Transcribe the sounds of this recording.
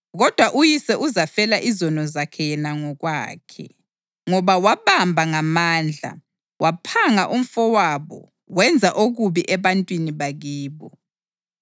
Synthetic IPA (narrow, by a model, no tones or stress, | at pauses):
ɣɔd̥ʱwaʔujisɛʔuzafɛlaʔizɔnɔzakʰɛjɛnaŋɔɣwa̰ːkʰɛ̰ | ŋɔβawaβambʱaŋamaːnd͡ɮʱa̰ | wapʰaŋaʔum̩fɔwaβɔ̰ | wɛnd͡zʱaʔoɣuβiʔɛβantʼwiniβaɣiːβɔ